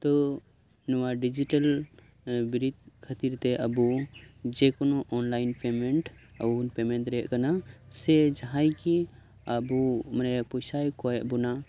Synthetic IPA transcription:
t̪ɔ | nɔwaɖid͡ʒiʈəl | biɾit̪̚kʰət̪iɾt̪ɛʔəbud͡ʒɛkɔnɔʔɔnlajnpɛmɛɳʈ | əunpɛmɛnt̪ɾɛɛʔkanasɛd͡ʒaɦajki | əbumanɛpɔjsajkɔjɛʔbɔna

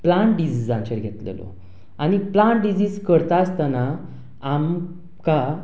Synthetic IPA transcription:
plaɳʈɖid͡ʑid͡zãɲt͡ɕeɾɡʱet̪lḛlo̰ | añiplaɳʈɖid͡ziːd͡zkəɾt̪ast̪anaː | m | ka

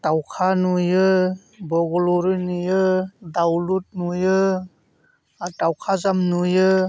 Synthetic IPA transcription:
tawkʰanujɯ | bɔɡɔlɔɾɯnujɯdawlut̚nujɯ | tawkʰazamnujɯ

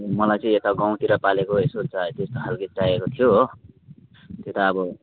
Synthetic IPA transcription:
mʌlajt͡sʌĩet̪aɡaw̃t̪iɾʌpalekoesolt͡sʰʌt̪est̪oɦalɡit̚ʈajekot̪ʰijo | t̪jot̪aːbʌ

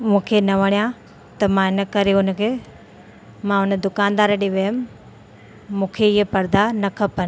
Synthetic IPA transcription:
mũːkʰenɐʋɐɽ̃jã | t̪ɐmãɪnɐkɐɾeʊnkʰeː | mãʊnəd̪ʊkaːnd̪aːɾəɗiʋɐjəm | mũːkʰeɪɦepɐɾd̪anɐkʰɐpən̆

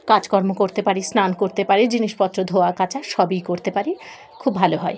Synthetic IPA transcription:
kad͡ʑkɔɾmokoɾt̪epaɾisnankoɾt̪epaɾed͡ʑiniʃpɔt̪ːɾod̪ʱoakat͡ɕaʃɔbijkoɾt̪epaɾi | kʰubbʱaloɦɔe

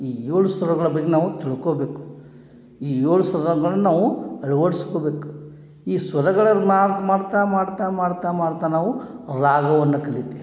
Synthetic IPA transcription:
iːjoːɭusʋɐɾɐɡɐɭɐbɐɡːenaːʋut̪iɭukoːbe̞ːku̥ | iːjoːɭusɐɾɾɐɡɐɭɐnnaːʋuɐɭuʋɐɽiskoːbe̞ːku̥ | iːsʋɐɾɐɡɐɭɐmaːmaːɽt̪aːmaːɽt̪aːmaːɽt̪amaːɽt̪aːnaːʋuɾaːɡɐʋɐnːɐkɐɭit̪i

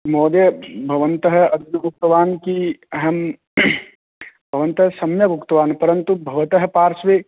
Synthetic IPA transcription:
mɔːd̪jɐbʱɐʋənt̪əɦɐɐd̪ʱnɐmuk̚t̪ɐʋaːnkiɦɐm | bʱɐʋɐ̃nt̪ɐɦɐsɐmjɐbʊkt̪ɐʋaːnpɐɾɐnt̪ubʱɐʋɐt̪ɐɦɐ̆paːɾsʋeː

